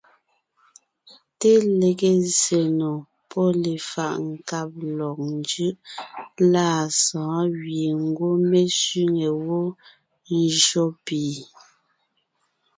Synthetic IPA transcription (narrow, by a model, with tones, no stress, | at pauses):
te˦le˨ɣe˦ze˨no˨ | pʰɔ˦le˨fa̰˨ʔŋ̩˨ka˦p̚lɔ˨k̚nd͡ʒɯ˦ʔlaː˦˨sɔ̃ː˨˦ɣje˨ŋ̩˦ɡwo˦me˦sɥi˦ŋe˨wo˦ | n˦d͡ʒo˦piː˨